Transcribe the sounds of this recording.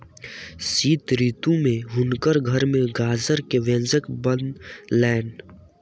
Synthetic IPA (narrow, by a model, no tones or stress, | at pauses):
siːt̪ɾiːt̪ũmẽɦʊnkəɾɡʱəɾmẽɡaːzəɾkeʋẽːnzəkbə̃nlɛːn